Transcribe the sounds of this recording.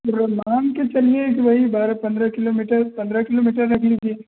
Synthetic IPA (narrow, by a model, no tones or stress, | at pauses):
ɾmaːmket͡ʃɐliekibʱaibaːɾapɐ̃nd̪ɾakɪloːmiːʈəɾpɐ̃nd̪ɾakɪloːmiːʈəɾːɐkʰlid͡ʒiː